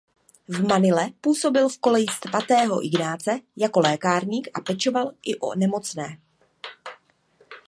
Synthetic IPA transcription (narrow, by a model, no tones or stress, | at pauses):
vmanɪlɛpuːso̞bɪlfko̞lɛjɪst̪vat̪ɛːɦo̞̰ʔɪɡnaːt͡sɛjako̞lɛːkaːɾɲiːkʔapɛt͡ʃo̞valʔɪʔo̰nɛmo̞t͡snɛː